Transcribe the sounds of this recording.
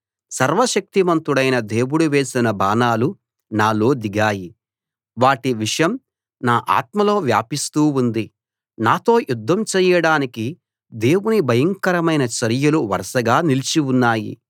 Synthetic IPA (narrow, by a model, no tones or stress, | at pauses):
sɐɾʋɐʃɐk̚t̪imɐnt̪uɽɐjnɐd̪e̞ːwuɽuʋe̞ːsinɐbaːnaːlu | naːlo̞ːd̪iɡaːji | ʋaːʈiʋiʂɐjɐm | naːʔa̰ːt̪mɐlo̞ːʋja̰ːpist̪uːund̪i | naːt̪o̞ːjud̪ʱːɐmt͡ʃɛːjɐɽaːniki | d̪e̞ːwunibʱɐjɐŋkɐɾɐmɐjnɐt͡ʃɐɾjuluʋɐ̰ɾʃɐɡaːnilt͡ʃiunːaːjḭ